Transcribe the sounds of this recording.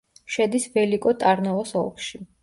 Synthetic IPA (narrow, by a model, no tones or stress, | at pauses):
ʃɛd̪isvɛlikʼɔt̪ʼaɾnɔɔsɔ̰lˠkʰʃi